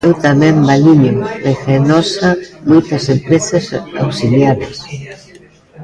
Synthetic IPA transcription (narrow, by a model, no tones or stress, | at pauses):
ɛwt̪amɛ̃mbalinjorexenɔsamojt̪ɐsempɾesɐsa̰wsiljaðɐs